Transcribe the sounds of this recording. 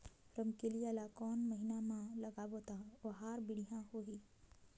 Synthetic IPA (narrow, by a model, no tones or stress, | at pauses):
ɾəmkelielakɔːnməɦinamãlɐɡaboːt̪aoɦaːɾbɪɽ̤ijãɦoɦiː